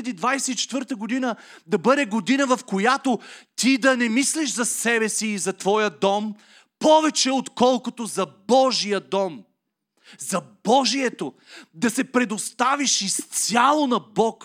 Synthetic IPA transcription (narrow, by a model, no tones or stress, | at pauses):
ɐd̪iːd̪vajsɛit͡ʃɛ̥t̪vɤɾt̪əɡod̪inəd̪ɐbɤd̪ɛɡod̪inəvɐfkojat̪ot̪id̪ɐnɛmisliʃzɐsɛbɛsiːzɐt̪vɔjəd̪ɔm | pɔvɛt͡ʃɛot̪kɔlˠkot̪ozɐbɔʒijəd̪ɔm | zɐbɔʒiɛt̪o | d̪ɐsɛpɾɛd̪ost̪aviʃist̪sʲjalˠonɐbɔk